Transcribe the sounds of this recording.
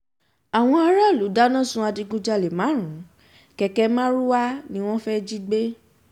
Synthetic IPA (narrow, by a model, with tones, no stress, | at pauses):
a˨w̃ɔ̃˧ɔ˧ɾa˦˨lu˨˦da˦nã˦˨sũ˧˦a˧di˧ɡũ˧d͡ʒa˧˨le˨mã˨˦ɾ̃ũ˨˦ | kɛ˧kɛ˧mã˦ɾu˦wa˦nĩ˧w̃ɔ̃˦fɛ˦d͡ʒi˦ɡ͡be˦